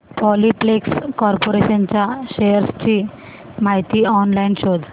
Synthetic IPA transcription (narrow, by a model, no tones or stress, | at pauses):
pɔliplekskɔɾpoɾeɕənt͡ɕjaɕejəɾst͡ɕiː | maɦit̪iːɔnlainɕod̪ʱ